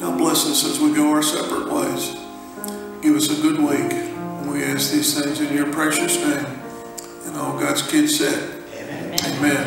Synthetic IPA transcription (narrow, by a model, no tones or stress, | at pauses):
naʊblɛsɪ̃nsɨzwiɡoʊə˞sɛ̰pɹə̰t̚lḛɪz̥ | ɪt̚wʌzɨɡʊd̚wikə̃nwiæsðiz̥θɪ̃ŋzɨ̃njə˞pʰɹ̥ɛʃɨsnẽɪ̃m | ɨ̃nɔʊlˠɡɑdz̥kʰɪdz̥sɛ̰ɾ̚ | eɪmɛ̃n